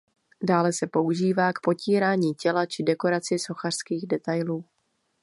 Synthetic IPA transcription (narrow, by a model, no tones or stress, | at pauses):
daːlɛsɛpo̞uʒiːvaːkpo̞ciːɾaːɲiːcɛlat͡ʃɪdɛko̞ɾat͡sɪso̞xar̥skiːɣdɛt̪ajluː